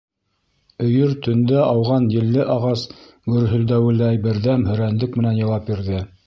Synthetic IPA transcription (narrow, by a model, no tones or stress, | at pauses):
ɵ̆jɵɾt̪ɵ̆nd̪æʔɑwʁɑnjɘ̆lːɘʔɑʁɑs | ɡɵ̆ɾɦɵ̆ld̪æwɘ̆læjbɘ̆ɾðæmhɵ̆ɾænd̪ɘkmɘ̆nænjɑ̆w̪ɑp̚biɾðɘ